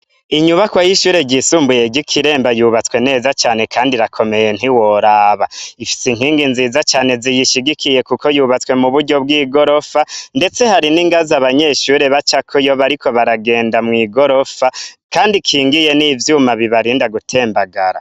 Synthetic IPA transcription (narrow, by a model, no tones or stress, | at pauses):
iɲuβakwajiʃuːɾe̞ɟisuːmbuje̞ɟikʰiɾe̞ːmbajuːβat͡swe̞ne̞ːzat͡ʃaːne̞kʰaːndiɾakʰo̞me̞je̞n̥hiwoɾaːβaifi̥siŋɦiːŋɡinziːzat͡ʃaːne̞zijiʃiɡikʰije̞kuko̞juβat͡swe̞muβuɾɟo̞b̚ɡiːɡo̞ɾo̞fande̞t͡se̞haɾiniŋɡazaβaɲe̞ʃuːɾe̞βat͡ʃakʰojoβaɾikʰo̞βaɾaɡe̞ːndamŋwiːɡo̞ɾo̞fakaːndikʰiːŋɡije̞nivjumaβiβaɾiːndaɡutʰe̞ːmbaɡaɾa̰